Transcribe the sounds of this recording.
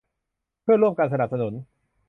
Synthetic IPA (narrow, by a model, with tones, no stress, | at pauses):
pʰɯ˥˩ɐɾu˥˩əmkaː˧nsa˧na˨˩p̚sa˧nu˩˦n